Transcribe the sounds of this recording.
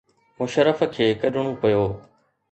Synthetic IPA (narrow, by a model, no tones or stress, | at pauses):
mʊʃəɾəfkʰeːkɐɗʱɽ̃ũːpɐjoː